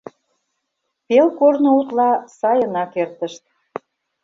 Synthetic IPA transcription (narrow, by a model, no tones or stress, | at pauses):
pelkornout̪lɑsɑjənɑkert̪ə̆ʃt̪̚